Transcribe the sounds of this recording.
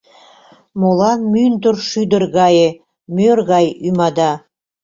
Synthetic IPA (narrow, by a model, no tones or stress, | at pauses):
molɑmynt̪ərʃyd̪ə̆rɣɑje | mørɣɑjymɑd̪ɑ